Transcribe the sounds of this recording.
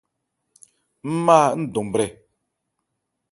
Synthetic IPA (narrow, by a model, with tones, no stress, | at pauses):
m̩˦maː˦˨n̩˦do˨m˨bɾɛ˨